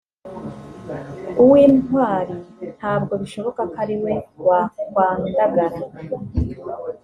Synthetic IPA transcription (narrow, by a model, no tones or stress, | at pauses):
uwiːnwaːɾin̥haːb̚ɡo̞βiʃo̞βo̞kakaɾiwe̞wawaːndaɡaɾa